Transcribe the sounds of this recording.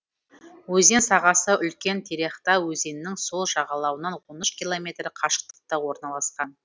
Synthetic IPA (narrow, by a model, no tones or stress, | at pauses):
wɵze̞nsɑʁɑsəʔʏlkʲe̞nt̪ʰeɾe̞χt̪ɑwɵze̞nːɪŋso̞lˠʒɑʁɑlˠɑwənɑnwo̞nəʃkʲilˠo̞mʲe̞t̪ɾɪqʰɑʃə̥q̚t̪ə̥q̚t̪ɑwo̞ɾnɑlˠɑsqɑn